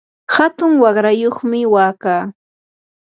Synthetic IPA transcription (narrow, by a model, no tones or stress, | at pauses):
hat̪ʊŋwɑχɾajoχmɪwaːkaː